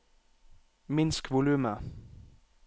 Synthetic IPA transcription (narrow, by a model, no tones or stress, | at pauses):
mɪnskʰʋʊlʉːmə